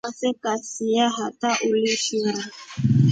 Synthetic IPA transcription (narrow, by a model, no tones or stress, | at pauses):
asɛkasijaɦataʔulifiɾa